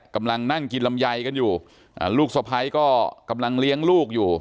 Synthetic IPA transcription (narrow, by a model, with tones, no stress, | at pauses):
ka˧mla˧ŋna˥˩ŋki˧nla˧mja˧jka˧njuː˨˩ | ʔa̰ː˧˩luː˥˩k̚sa˨˧˩pʰa˧jkɔː˥˩ka˧mla˧ŋli˦˥əŋluː˥˩k̚juː˨˩